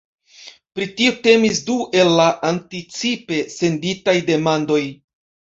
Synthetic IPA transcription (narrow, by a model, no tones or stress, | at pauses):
pɾitiute̞misduʔe̞lːaʔantit͡sipe̞se̞nditajde̞mando̞j